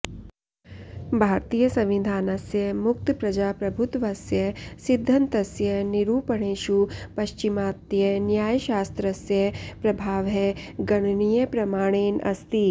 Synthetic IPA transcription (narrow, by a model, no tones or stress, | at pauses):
bʱaːɾt̪iːjəsɐ̃mʋid̪ʱaːnɐsjɐmʊk̚t̪pɾɐd͡ʒaːpɾɐbʱʊt̪ʋɐsjɐsid̪ʱːɐnt̪ɐsjəniɾuːpɐɳ̃eːʃupɐʃt͡ʃimaːt̪jɐnjaːjʃaːst̪ɾɐsjɐpɾɐbʱaːʋɦɛɡɐɽ̃nijepɾɐmaːɽ̃eːnɐ̰st̪i